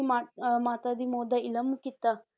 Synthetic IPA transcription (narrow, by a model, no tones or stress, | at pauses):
mamat̪ad̪imoːd̪ailɐmukit̪ːa